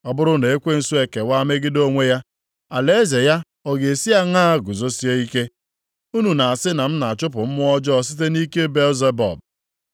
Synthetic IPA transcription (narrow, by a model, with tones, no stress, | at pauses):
ɔ˨bʊ˦ɾʊ˦ne˨e˦kʷe˦n̩˨su˦e˨ke˨wa˦me˦ɡɪ˦do˦ŋʷe˦ja˦ | a˨le˦e˦ze˨ja˦ | ɔ˨ɡe˨e˨si˦a˦ŋaː˦˨ɡʊ˨zo˦si˦e˦i˦ke˦ | u˦nu˨na˨a˨sɪ˦na˨m̩˦na˨a˨t͡ʃʊ˦pʊ˨m̩˦mʊ˦ɔ˦d͡ʒɔ˦s̬i˦t̬e˦ni˦ke˦be˦lze˦bɔ̰˨b̚